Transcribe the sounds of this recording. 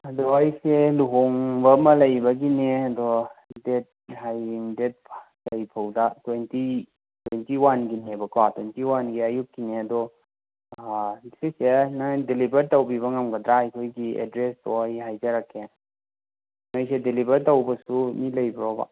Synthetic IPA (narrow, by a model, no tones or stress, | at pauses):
ɐdɔajseluɦoŋbɐmɐlɐjbɐɡineɐdɔdet̚ɦajŋdet̚pʰ | lɐjpʰawdatwenti | twentiwanɡinebɐkatwentiwanɡiajup̚kineɐdɔ | sesenajdelibʱɐɾtowbiβɐŋamɡɐdɾaɐjkʰojɡiḛdɾestɔajɦajd͡ʒaɾakʰːe | najsedelibɐɾtowbɐsumilɐjbɾɔba̰